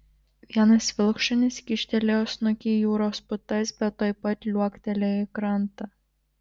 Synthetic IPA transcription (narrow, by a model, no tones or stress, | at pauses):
ʋʲiɛnɐsʲʋʲɪlˠkʃɔnʲɪsʲkʲɪʃʲt̪ʲɛlʲeoːsnʊkʲijuːɾoːspʊt̪ɐsʲbʲɛt̪ːojpɐt̪ʲlʲuɔkt̪ʲɛlʲɛɪkɾɐnt̪ɐ